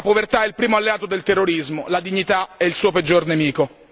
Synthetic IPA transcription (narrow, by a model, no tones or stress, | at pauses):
apovert̪aɛilpɾiːmoalːeaːt̪od̪elt̪erːoɾizmolad̪iɲːit̪aɛilsuːoped͡ʒːornemiːko